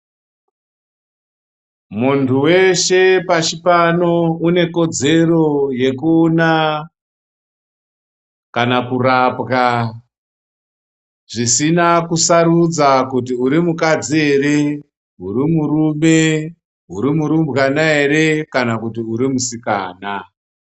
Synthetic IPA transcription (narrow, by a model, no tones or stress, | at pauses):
muntʰuwe̞ʃe̞pat͡ʃipano̞une̞ko̞d͡ze̞ro̞je̞kuːna | kanakuɾapɣa | ʐ̥isinakusaɾud͡zakut̬iuɾimukad͡zie̞ɾe̞ | uɾimuɾume̞ | uɾimuɾumbɣanae̞ɾe̞kanakutiuɾimusika̰ːna